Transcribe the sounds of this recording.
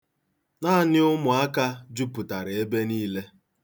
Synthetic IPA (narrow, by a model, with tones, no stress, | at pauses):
naː˦˨nɪ˦ʊ˦mʊ˨a˦ka˦d͡ʒu˦pu˨ta˨ɾe˨e˦be˦niː˦le˦